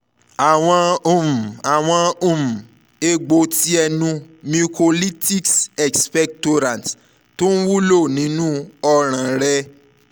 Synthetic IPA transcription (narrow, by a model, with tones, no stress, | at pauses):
a˨w̃ɔ̃˧u˨mũ˨a˨w̃ɔ̃˧ũ˨mũ˨ | e˧ɡ͡bo˧ti˦ɛ˧nũ˧ | mĩ˧ko˧li˦ti˦ksɛ˨kspɛ˦k̚to˧ɾã˨n˨t | to˦n̩˦wu˦lo˦˨nĩ˨˦nũ˦ɔ˦ɾ̃ã˨ɾɛ˧